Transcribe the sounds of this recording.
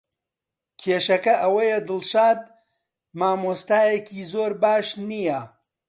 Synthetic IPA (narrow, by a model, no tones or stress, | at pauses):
kʲʰeːʃɐkɐʔɐwɐjed̪ɨlʃaːd̪̚ | maːmoːst̪aːjekʰiːzoːɾbaːʃnijɐ